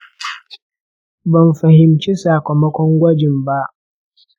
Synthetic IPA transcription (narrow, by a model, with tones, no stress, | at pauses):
bɐ˨mɸɐ˨hɪ˨mt͡ʃi˦saː˨kʷɔ˨mɐ˦kʷɔ˦ŋɡʷɐ˦d͡ʒɪ˨mba˦ʔ